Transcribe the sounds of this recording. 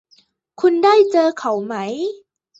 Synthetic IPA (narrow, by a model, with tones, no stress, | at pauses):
kʰu˧ndaː˥˩jt͡ɕɤː˧kʰa˨˩˦wma˦˥j